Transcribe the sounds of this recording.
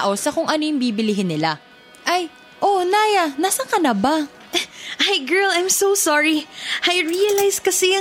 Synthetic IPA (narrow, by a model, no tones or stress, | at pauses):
ʔo̞sɐkʊŋʔɐnojɪŋbiːbɪlɪɦɪnːɪla | ʔɐj | ʔo̞naːjɐnasɐkɐnɐba | ʔajɡɛ˞lajmsowsɔɹiʔajɹiɐlajskɐsɛ